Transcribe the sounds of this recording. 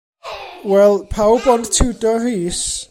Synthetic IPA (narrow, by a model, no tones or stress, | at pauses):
wɛlˠpʰawbɔndtʰudɔriːs